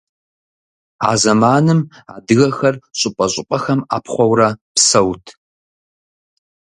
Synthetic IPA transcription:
a̰ːzɐmaːnɨma̰ːdɨɣɐxɐrɕʼɪpʷʼɐɕʼɪqʷʼɐxɐma̰ːpʰχʷɔwrɐpsɐwtʰ

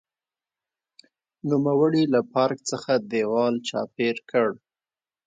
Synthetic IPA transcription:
numawəɽilapɑɾkt͡səxad̪ewɑlt͡ʃɑ̰peɾkʰəɽ

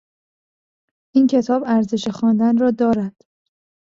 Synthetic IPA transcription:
ʔiːncʰe̞t̪ʰɒːbæɾze̞ʃexɒːnd̪ænrɒːd̪ɒːɾæd̪̥

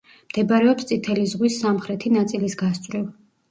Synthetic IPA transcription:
md̪̥ɛbaɾɛɔpst̪sʼit̪ʰɛlizʁwisːamχɾɛt̪ʰinat̪sʼilisɡast̪sʼɾɛv

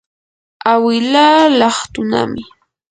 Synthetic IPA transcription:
awɪlalɑχt̪ʊna̰mɪ

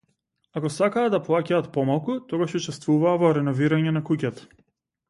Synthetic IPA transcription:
akɔsakaːd̪aplˠacaːt̪pɔmalˠkut̪ɔɡaʃut͡ʃɛst̪vuvaːvɔɾɛnɔviɾaɲɛnakucat̪ḁ

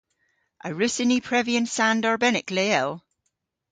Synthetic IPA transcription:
ʔəɹʉsɪnipʰɹ̥ɛviə̃nsãndɔɹbɛnɪkleɛlˠ

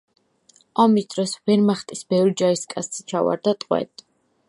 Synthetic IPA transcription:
ɔmisd̪̥ɾɔsvɛɾmaχt̪ʼisbɛvɾid͡ʒaiskʼast̪st͡ʃʰava̰ɾd̪at̪ʼqʼwɛ̰t̪ʼ

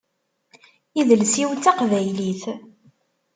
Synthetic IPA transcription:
iðəlsiwt͡s̪ːɑqvæjliθ

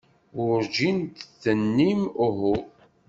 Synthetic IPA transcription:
ʊɾd͡ʒint̪θənːimʊɦʊ

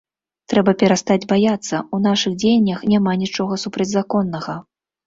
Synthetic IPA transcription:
t̪ɾɛbɐpʲɛɾast̪ad͡zʲbajat̪sːɐunaʂɨɣd͡zʲejnʲːɐxnʲamanʲit͡ʂɔɣɐsupɾɐd͡zʲzakɔnːɐɣɐ

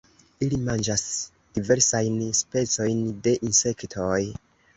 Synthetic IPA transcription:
ilimand͡ʒas | d̥ive̞ɾsajnspe̞t͡so̞jnde̞ʔinse̞ktʰoj

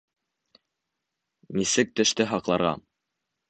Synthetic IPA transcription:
nisɘk̚t̪ɵ̆ʃt̪ɘɦɑqlˠɑɾʁɑ̰

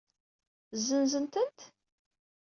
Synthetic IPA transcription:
zːənzənt̪ənt̪

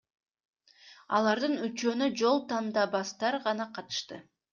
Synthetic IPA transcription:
ɑ̰lˠɑɾd̪ɯnyt͡ʃønyd͡ʒo̞lˠt̪ɑnd̪ɑbɑst̪ɑɾʁɑnɑqʰɑt̪ɯ̥ʃt̪ɯ

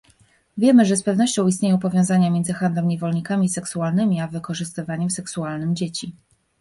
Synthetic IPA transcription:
vʲjɛmɘʐɛspɛvn̪ɔɕt͡ɕɔ̃w̃ist̪ɲejɔ̃w̃pɔvʲjɔw̃zaɲamʲjɛnd̪zɘxand̪lɛmɲevɔlɲikamʲisɛksualnɘmʲiavɘkɔʐɘst̪ɘvaɲɛmsɛksualnɘmd͡ʑet͡ɕi

